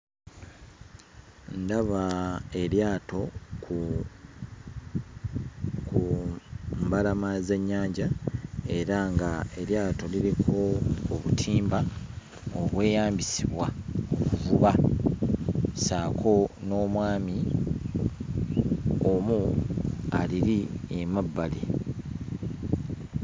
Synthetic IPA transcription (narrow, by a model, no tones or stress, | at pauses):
ndaβae̞ɾjaːto̞ | ku | mbalamaze̞ɲːaːɲɟae̞ɾaŋɡae̞ljaːto̞liɾikʰo̞ːβṵtʰiːmba | oβwe̞ːjaːmbisiβwao̞kuvuβa | saːkʰo̞no̞ːmwaːmi | omu | a̰liɾiemabːali